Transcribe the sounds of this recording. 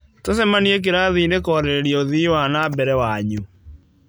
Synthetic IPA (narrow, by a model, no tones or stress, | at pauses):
tosɛmaniɛk̬eɾaðinekɔːɾeɾeɾiɔoðiwanabɛɾɛwaɲu